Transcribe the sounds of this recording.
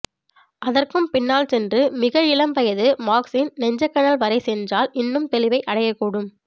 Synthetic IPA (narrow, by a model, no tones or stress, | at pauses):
ʔɐðɐrkɯmpɪnːaːlsɛndrɯmɪɣɐɪlɐmpɐjɐðɯmaːksɪnnɛɲd͡ʒɐkːɐnɐlʋɐɾɐɪsɛndraːlɪnːɯmt̪ɛlɪʋɐɪʔɐɽɐjɐkːuːɽɯm